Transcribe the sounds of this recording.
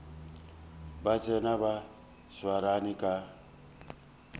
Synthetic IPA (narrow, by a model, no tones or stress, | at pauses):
bat͡sʼɛnaba | swaɾanikʼa